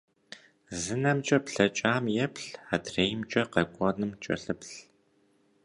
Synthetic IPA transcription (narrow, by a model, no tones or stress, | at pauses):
zɨnɐmt͡ʃʼɐpɬɐt͡ʃʼaːmjɛpɬadreːjmt͡ʃʼɐqɐkʷʼɔnɨmt͡ʃʼɐ̰ɬɨpɬ